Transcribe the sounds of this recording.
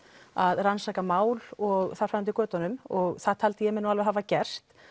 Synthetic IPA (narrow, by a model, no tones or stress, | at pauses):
aðransaːkamaːwlɔɣθaɾ̥fant̪ɪkœːt̪anʏmɔɣθḁt̪ʰalt̪ɪjɛmɛnualvɛɾɦavacɛr̥t̪